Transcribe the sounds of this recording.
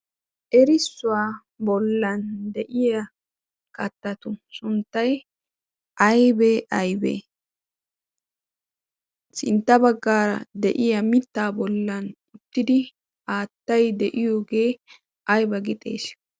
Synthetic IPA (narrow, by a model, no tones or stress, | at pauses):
ʔɛɾɪsːʊaː | bɔlːɐnd̪ɛʔɪjɐ | kʼɐt̪ːɐt̪ʊsʊnt̪ːɐj | ʔɐjbeʔɐjbḛː | sɪ̰nt̪ːɐbɐɡːaːɾɐ̰d̪ɛʔɪjɐmɪt̪ːaːbɔlːɐn | ʊt̪ːɪd̪ɪ | aːt̪ːɐjd̪ɛʔɪjoːɡe̞ː | ʔɐjbɐɡɪt̪ʼe̞̰ːs